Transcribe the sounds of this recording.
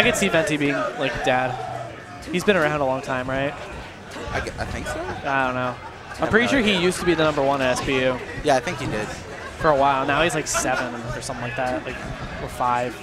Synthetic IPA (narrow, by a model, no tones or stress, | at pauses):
aɪɡɛtsivɛ̃ntibiɪ̃ŋlaɪkd̥ɛd̥ | hizbɨ̃nə˞ãʊ̃ndəlɔ̃ŋtʰãɪ̃mɹaɪt̚ | aɪaɪθɪ̃ŋksoaɪdõʊ̃nːoʊ | aɪpɹ̥ɪɾiʃʊɹijʉstəbiðɨnʌ̃mbə˞wʌ̃nɨɛspijʉjæaɪθɪ̃ŋkhidɪd̥̚ | fə˞əwaɪlˠnaʊhizlaɪksɛvɨ̃nfə˞sʌ̃mθɪ̃ŋlaɪk̚ðæt̚laɪkə˞faɪv̥